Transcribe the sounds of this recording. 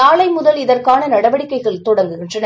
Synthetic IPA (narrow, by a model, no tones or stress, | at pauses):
aːlɐɪmʊðɐlɪðɐrkaːnɐnɐɽɐʋɐɽɪkːɐɪɣɐɭt̪ɔɽɐŋɡɯɪndrɐn